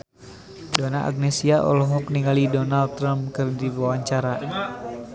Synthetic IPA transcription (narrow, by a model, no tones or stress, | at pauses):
donaʔa̰ɡ̚nɛsiaʔɔ̰lɔɦɔkniŋalidɔnalt̪ːɾamp̚kɨrdiawaɲt͡ʃaɾa